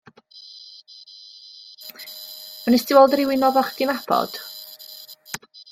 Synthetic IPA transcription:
mənɛstɪwɛlˠdrɪwɪnɔvaχd̥ɪnab̥ɔ̰d̥

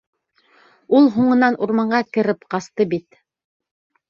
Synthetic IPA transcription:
ulˠɦuɴɤ̆nɑnuɾmɑɴɢɑkɘ̆ɾɘpqɑst̪ɤbit̪

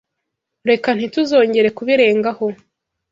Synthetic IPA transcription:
ɾe̞kan̥ituzo̞ːɲɟe̞ɾe̞kuβiɾe̞ːŋɡaho̞

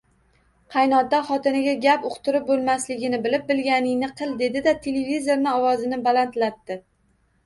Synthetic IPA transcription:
qʰɑjnɒt̪ːaχɒt̪ɪnɪɡʲaɡʲapʊqt̪ʊɾɪp̚bolˠmaslɪɡʲɪnɪbɪlɪp̚bɪlɡʲanɪŋnɪqʰɨlˠd̪e̞d̪ɪd̪at̪ʰe̞levizo̞ɾnɪɒwɒzɪnɪbalant̪lat̪ːɪ

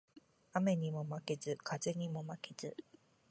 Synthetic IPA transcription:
ame̞ɲ̟imo̞make̞zɨkʰazeɲ̟imo̞makez̥ɨ

